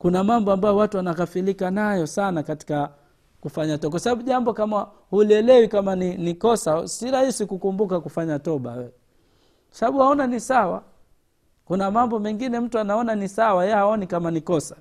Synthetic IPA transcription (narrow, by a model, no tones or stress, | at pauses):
kunamambɔambajɔwatuwanakafilikanajɔsanakati̥ka | kufaɲatɔakwasaɓaɓuʄambɔkama | huliɛlɛwikamaninikɔsasiɾahisikukumbukakufaɲatɔɓa̰wɛ | kwasaɓaɓuhaɔnanisawa | kunamambɔmɛŋɡinɛm̩tuanaɔnanisawajɛhaɔnikamanikɔsḁ